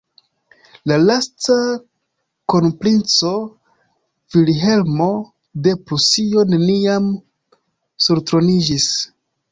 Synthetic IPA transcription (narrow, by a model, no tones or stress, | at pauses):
lalasta | konpɾint͡so̞ | v̥ilɦe̞lmo̞ | de̞pɾusio̞ne̞niam | suɾtɾo̞nid͡ʒis